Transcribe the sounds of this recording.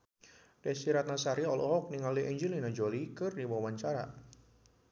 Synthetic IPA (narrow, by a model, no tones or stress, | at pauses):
dɛsiɾat̪̚nasaɾiɔlʔɔɦɔk̚niŋaliʔɛɲd͡ʒilinad͡ʒolikɨrdiwawaɲt͡ʃaɾa